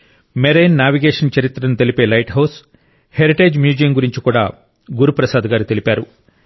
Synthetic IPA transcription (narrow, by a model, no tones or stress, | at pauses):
meɾejnːaːʋiɡeːʂɐnt͡ʃɐɾit̪ɾɐnut̪e̞lipe̞ːlɐjʈɦɐws | heɾiʈe̞ːd͡ʒmjuːd͡ʒɐjɐmɡuɾiɲt͡ʃikuːɽa̰ː | ɡuɾupɾɐsaːd̪ɐɡaːɾit̪e̞lipaːɾu